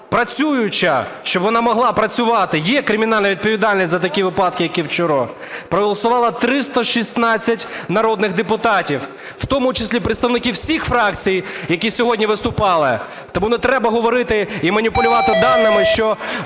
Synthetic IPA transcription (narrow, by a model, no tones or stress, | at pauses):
pɾɐt͡sʲujʊt͡ʃɐʃt͡ʃɔbʋɔnɑmɔɦlˠɑpɾɐt͡sʲʊʋɑt̪ɪjɛkɾɪmʲiɪnɑlʲnɐʋʲid̪̚pɔʋʲid̪ɑlʲnʲisʲzɐt̪ɐkʲiʋɪpɑd̪̚kɪjɐkʲiwt͡ʃɔɾɔ | pɾɔɦɔlˠɐsʊʋɑlˠɐt̪ɾɪst̪ɐʃisnɑt͡sʲːɐtʲnɐɾɔd̪nɪxd̪epʊt̪ɑtʲiw | w̥t̪ɔmʊt͡ʃɪsʲlʲipɾɪt̪st̪ɐʋnɪkʲiwsʲixfɾɑkt͡sʲijjɐkʲisʲɔɦɔdʲnʲiʋɪst̪ʊpɑlˠɪ | t̪ɔmunɛt̪ɾɛbɐɦɔʋɔɾɪt̪ɪimɐnʲipʊlʲʊʋɑt̪ɪd̪ɑnːɪmɪʃt͡ʃɔ